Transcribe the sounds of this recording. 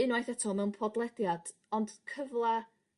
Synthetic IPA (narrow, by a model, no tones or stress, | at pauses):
ɪnwajθɛtʰɔmɛwnpʰɔdlˠɛdjad̥ | ɔnd̥kʰəvlˠɛ